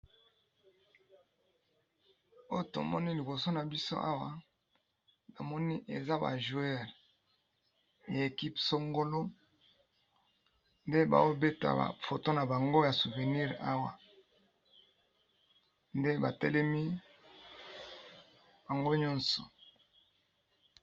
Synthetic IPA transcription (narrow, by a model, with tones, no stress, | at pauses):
o˦˨to̰˨mɔ˦ni˦li˨bo˨so˦na˨bi˦so̰˦ʔa˦wa˨ | na˨mɔ˦ni˦ʔe˨za˦ba̰˨ʒu˨ɛ˦˨ʁ | ja˨e˨ki˦pso˦ŋɡo˦lo˦ | nde˦ba̰˨wo˦be˦ta̰˨a̰˨fo˨to˦na˨ba˨ŋɡo˦ja˨su˨ve˨ni˦ʁa˦wa˨ | nde˦ba˨tɛ̰˦lɛ˦mi˦ | b̥a˨ŋɡo˦ɲɔ˦nsɔ̰˨